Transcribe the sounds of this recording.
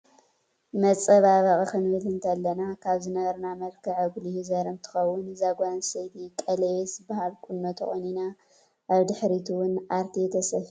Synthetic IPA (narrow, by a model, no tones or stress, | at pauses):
mɐt͡sʼɐβaβɐχʼɐkɨnβɨlɨnt̪ʰɐlːɐnakʰaβzɨnɐβɐɾnamɐlkʰɨʕɐɡlijuzɐɾɨnt̪ʰɨ̥xɐwːʊnzaɡʷansɐjt̪ʰikʼɐlewesbahalkʼunːot̪ʰɐ̰xʼonina | ʔaβd̪ɨħɾit̪ʰuwʊnaɾt̪ʰiɛt̪ʰɐsɐh